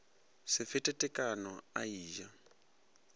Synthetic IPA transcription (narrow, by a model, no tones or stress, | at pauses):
sɪfɪtʼɛtʼɛkʼanɔa̰iːʒa